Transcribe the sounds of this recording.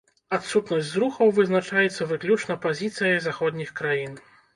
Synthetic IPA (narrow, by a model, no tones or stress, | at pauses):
at̪sut̪nɐsʲtʲzɾuxɐwvɨznat͡ʂajɛt̪sːɐvɨklʲut͡ʂnɐpazʲit̪sɨjɐjzaxɔd̪ʲnʲixkɾajin